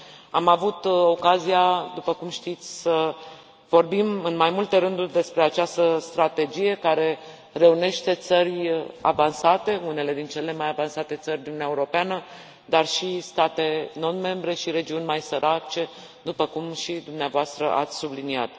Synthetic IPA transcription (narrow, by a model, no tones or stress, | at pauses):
amavut̪o̞kazijad̪upəkumʃt̪it̪sʲsə | vo̞rbimɨnmajmult̪e̞ɾɨnd̪urʲd̪e̞spɾe̞at͡ʃast̪əst̪ɾat̪e̞d͡ʒije̞kaɾe̞ | re̞une̞ʃt̪e̞t̪sərʲa̰vansat̪e̞une̞le̞d̪int͡ʃe̞le̞majavansat̪e̞t̪sərʲd̪inunaeuɾo̞peanə | d̪arʃist̪at̪e̞no̞nme̞mbɾe̞ʃiɾe̞d͡ʒiunʲmajsəɾʔat͡ʃe̞ | d̪upəkumʃid̪umneavoast̪ɾə̰ʔa̰t̪sʲsublinia̰t̪